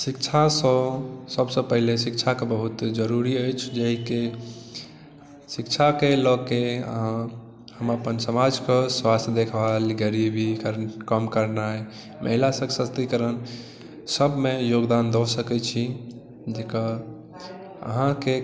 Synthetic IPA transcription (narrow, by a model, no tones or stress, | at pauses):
sikt͡ʃʰasə̃səbsə̃pəɦilesikt͡ʃʰakebəɦut̪d͡ʒəɾuɾiəjt͡ʃʰd͡ʒəɦike | sikt͡ʃʰakelɔɡkeə̰ɦã | həməpənsəmad͡ʒkəswast̪ʰd̪ekʰbalɡəɾibikɾkəmkəɾnae | mʔə̰ɦilasə̃ksəst̪ikəɾən | səbmejoɡd̪and̪ɔsəkɛt͡ʃʰi | d͡ʒeka | ə̰ɦãke